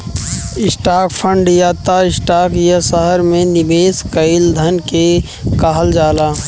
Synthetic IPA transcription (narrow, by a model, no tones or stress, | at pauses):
ɪsʈaːkpʰə̃ɳɖjaːt̪aɪsʈaːkjɐsəɦəɾmẽnɪbeːskəɪld̪ʱənke | kaːɦəld͡ʒaːlaː